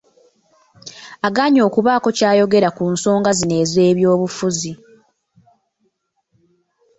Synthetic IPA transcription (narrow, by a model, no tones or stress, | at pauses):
aɡaːɲo̞ːkuβaːko̞caːjo̞ɡe̞ɾakunso̞ːŋɡazine̞ːze̞ːβjo̞ːβufuzi